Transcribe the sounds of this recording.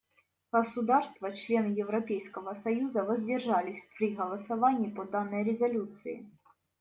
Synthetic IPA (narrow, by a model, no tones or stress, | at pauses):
ɣ̥əsʊd̪arst̪vət͡ɕlʲe̞nɨjɪvɾɐpʲejskəvəsɐjuzəvəzʲdʲɪrʐalʲɪsʲfpɾʲiɣəlˠəsɐvanʲɪːpod̪anːɨjɾʲɪzɐlʲut̪sɨɪ̰